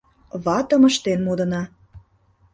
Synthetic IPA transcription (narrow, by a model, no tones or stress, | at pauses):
βɑt̪əməʃt̪enmod̪ə̆nɑ